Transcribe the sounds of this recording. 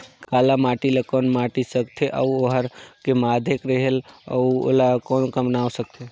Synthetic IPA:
kalamaʈilakɔnmaʈisəkt̪ʰeʔa̰uoɦəɾkemad̪ʱekɾəɦela̰uo̰lakɔnkəmnawsək̚t̪ʰe

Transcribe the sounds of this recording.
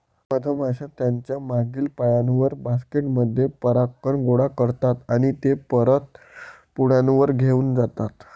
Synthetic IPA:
məd̪ʱəmʱaɕãt̪jaɲt͡ɕjamaɡiːlpajanʋəɾbaskeʈməd̪ʱːjepəɾakːəɳɡoɽakəɾt̪at̪aɽ̃it̪epəɾət̪̚ | puɽ̤janʋəɾɡʱeuːnd͡zat̪at̪

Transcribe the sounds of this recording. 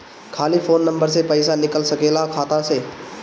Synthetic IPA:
kʰaːlifʰoːnːə̃mbəɾsepəɪsanɪkəlsɐkeːlakʰaːt̪ase

